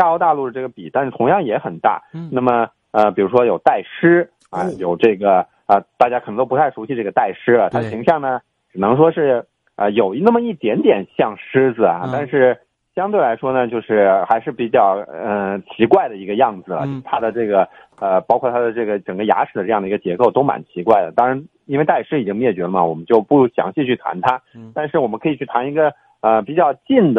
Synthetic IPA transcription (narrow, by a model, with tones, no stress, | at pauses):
ja˥˧o˥t̪a˥˧lu˥˩d̪ə˩ʈ͡ʂɤ˥˩ɡə˩pi˨˩t̪a˥˧nʂ̩˥˩t̪ʰʊ˧˥ŋjɑ˥˩ŋjɛ˧˥xə˨˩nt̪a̰˥˩na˥˩mə˩ | ə˧pi˨˩ɻu˧˥ʂwɔ˥jo˨˩ʊt̪a˥˩ɪʂɻ̩˥ | ɐ˧˩jo˨˩ʊʈ͡ʂɤ˥˩ɡə˩ | ə˧t̪a˥˩t͡ɕja˥kʰn˧ŋt̪o˥pt̪ʰa˥˩ɪʂu˧˥ɕi˥˧ʈ͡ʂɤ˥˩ɡə˩t̪a˥˩ɪʂɻ̩˥lə˩t̪ʰa˥d̪ə˩ɕi˧˥ŋɕjɑ˥˩ŋnə˩ | ʈ͡ʂɻ̩˨˩ɤ˧˥ŋʂ̬wɔ˥ʂɻ̩˥˩ | ə˧jo˨˩ʊnə˥˩mə˩i˥˩t̪jɛ˧˥nt̪jɛ˨˩nɕjɑ˥˩ŋʂɻ̩˥d͡zɹ̩˨˩ɐ̰˩t̪a˥˧nʂɻ̩˥˩ | ɕjɑ˥ŋt̪we˥˩ɪla˧˥ɪʂwɔ˥nə˨t͡ɕjo˥˧ʊʂɻ̩˥˩xa˧˥ɪʂɻ̩˥˩pi˨˧˥t͡ɕjɑ˨˩ʊə˧t͡ɕʰi˧˥kwa˥˩ɪd̪ə˩i˧˥ɡə˧jɑ˥˩ŋd͡zɹ̩˩lə̰˩t͡ɕjo˥˧˩t̪ʰa˥d̪ə˨ʈ͡ʂɤ˥˩ɡə˩ | ə˧pɑ˥ʊkʰwɔ˥˩t̪ʰa˥d̪ə˨˧ʈ͡ʂɤ˥˩ɡə˩ʈ͡ʂə˨˩ŋɡə˧ja̰˧˥ʂɻ̩˨˩ə˦ʈ͡ʂɤ˥˧jɑ˥˩ŋd̪ə˩i˧˥ɡə˧˩t͡ɕjɛ˧˥ko˥˩ʊt̪o˥ʊma̰˨˩˦nt͡ɕʰi˧˥kwa˥˩ɪlə˩t̪ɑ˥ŋɻa˧˥n | i˥nwe˥˧ɪt̪a˥˩ɪʂɻ̩˥i˨˩t͡ɕi˥ŋmjɛ˥˩t͡ɕɥɛ˧˥lə˧˩mə̰˨˩wɔ˨˩mə˦nt͡ɕjo˥˧ʊpu˥˩ɕjɑ̰˧˥ŋɕi˥˧t͡ɕʰy˥˩t̪ʰa̰˧˥nt̪ʰa˥t̪a˥˧nʂɻ̩˥˩wɔ˨˩mə˦nkʰɤ˧˥i˨˩t͡ɕʰy˥˩t̪ʰa˧˥ni˧˥ɡə˧ | ə˧pi˨˩t͡ɕjɑ˥˩ʊt͡ɕi˥˩nd̪ə˩